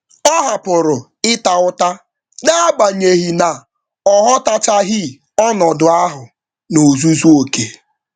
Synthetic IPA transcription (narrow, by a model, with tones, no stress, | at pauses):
ɔ˦ɦa˨pʊ˨ɾʊ˨ | ɪ˦ta˨ʊ˦ta˦ | da˦a˦ɡ͡ba˨ɲe˨ɦi˨na˨ | ɔ˦ɦɔ˦ta˦t͡ʃa˦ɦɪ˦ | ɔ˦nɔ˨dʊ˨a˦ɦʊ˨ | no˨zu˦zu˦o˨ke˨